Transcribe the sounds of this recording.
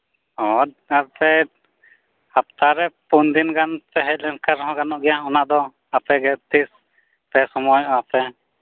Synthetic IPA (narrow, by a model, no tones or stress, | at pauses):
ɔd̪̚apɛ | hapt̪aɾɛpund̪inɡanpɛɦɛc̚lɛnkaɾɔɦɔ̃ɡanɔʔɡɛjaɦɔnaʔd̪ɔ | apɛɡɛt̪is | pɛsɔmɔjɔapɛ